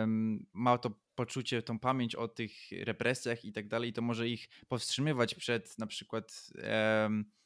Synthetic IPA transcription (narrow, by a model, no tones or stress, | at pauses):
mmat̪ɔ | pɔt͡ʂut͡ɕɛt̪ɔ̃w̃pamʲjeɲt͡ɕɔ̰t̪ɘxɾɛpɾʔɛsʲjaxit̪aɡ̚d̪alɛjt̪ɔmɔʐɛixpɔfstʂɨmɘvat͡ɕpʂɛt̪napʂɘkwat̪